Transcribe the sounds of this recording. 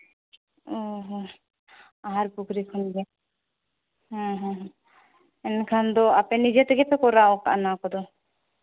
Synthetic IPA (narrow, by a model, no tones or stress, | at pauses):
oɦ | aɦaɾpukɾikʰunɡɛ | ɦɔ̃ɦɔ̃ɦ | ɛnkʰand̪ɔapɛnid͡ʒɛt̪ɔɡɛpʰɛkɔɾaɔka̰ʔnakɔd̪ɔ